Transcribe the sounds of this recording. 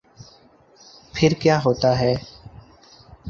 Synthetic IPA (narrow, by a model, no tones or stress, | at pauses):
pʰɪɾkjaːɦoːt̪aɦɛː